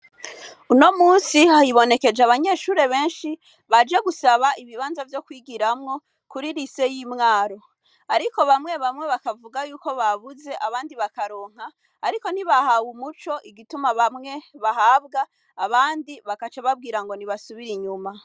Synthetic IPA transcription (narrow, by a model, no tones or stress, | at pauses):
uno̞muːnsihajiβo̞ne̞ke̞d͡ʒaβaɲe̞ːʃuːɾe̞βe̞ːnʃi | βad͡ʒe̞ɡusaβaiβiβaːnzavjo̞kwiːɡiɾamŋo̞ | kuɾiɾise̞jimŋaːɾo̞ | aɾiko̞βamŋe̞βamŋe̞βakavuɡajuːko̞βaβuze̞ʔaβaːndiβakaɾo̞ːŋ̥haː | ɾiko̞n̥iβahawumut͡ʃo̞ʔiɡitumaβamŋe̞βahaːbɡaː | βaːndiβakat͡ʃaβab̚ɡiːɾaŋɡo̞niβasuβiɾiɲuma